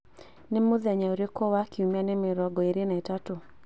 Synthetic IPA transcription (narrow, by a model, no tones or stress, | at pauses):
nɛmʊðɛɲaoɾekɔwakiumanɛmɪɾɔɡɔeɾenaɛtato